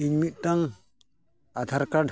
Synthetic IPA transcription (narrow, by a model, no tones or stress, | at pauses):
iŋmit̪̚ˀt̪aŋ | at̪ʰaɾkaɖʱ